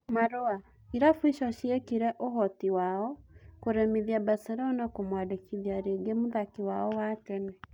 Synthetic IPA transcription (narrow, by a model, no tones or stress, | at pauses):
maɾoa | iɾafwiʃɔʃiekiɾɛʔoɦɔtiwaːɔkoɾɛmeðjabasɛɾɔnakomwadekiðjaɾeɡemoðakiwaɔwakɛnɛ